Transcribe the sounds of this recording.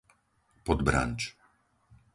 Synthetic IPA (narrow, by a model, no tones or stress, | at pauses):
pɔd̪bɾa̰ɲt͡ʃ